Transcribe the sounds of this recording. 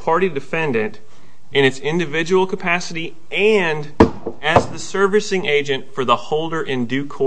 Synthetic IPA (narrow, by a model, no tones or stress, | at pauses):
pʰɑɹɾidɨfɛ̃ndɨ̃nt | ɨ̃nɨtsɪ̃ndɨvɪd͡ʒɨwl̩ˠkʰəpʰæsɨɾi | ɨ̃nd | ɨzðɨsɜ˞vɨsɪ̃ŋeɪd͡ʒɨ̃ntfə˞ðəhoʊlˠdə˞ʔɪ̃ndʉkʰɔ